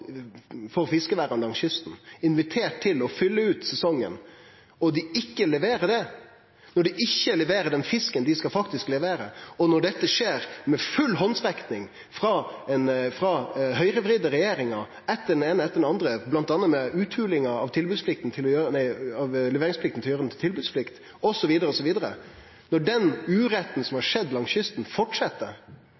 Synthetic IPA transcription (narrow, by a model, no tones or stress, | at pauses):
fɔɾfɪskəʋæːɾɑnd̪ɑŋsjʏst̪n̩ɪnʋɪt̪ʰeːʈ̚t̪ʰːɪlɔfʏlːəʉːt̪sɛsɔŋːə̰n | ɔd̪ɪɪkːəlɛʋeːɾəɖɛ | nɔɖɪʔɪçːəlɛʋeːɾəɖ̪ɛnfɪskənd̪ɪskɑfɑk̚t̪ɪsklɛʋeːɾəɔnɔɖɛt̪ːəʂeːɾmɛfʉlːɦɔnsʋɛkt̪ɪŋ | fɾɑɛnfɾɑɦœʏɾəʋɾiːd̪əɾɛjeːɾɪŋɑɾ | ɛt̪ːəɖɛneːnəɛt̪ːəɖɛnɑnd̪ɾəblɑnt̪ɑːnːəmɛʉːt̪ʰʉːlɪŋɑɑʋt̪ʰɪlbʉd̪sflɪk̚t̪n̩t̪ʰɪlɔjøːɾənæɪɑʋlɛʋeːɾɪŋsflɪk̚t̪n̩t̪ɪljøːɾd̪n̩ʰɪlt̪ɪlbʉːd̪sflɪkt̪ | ɔsɔʋiːd̪əɾəɔsɔʋiːd̪əɾə̰ | nɔɖɛnʉːɾɛt̪ːn̩sɔmhɑɾʂɛd̪lɑŋsjʏst̪n̩fɔʈʂɛt̪ːə̰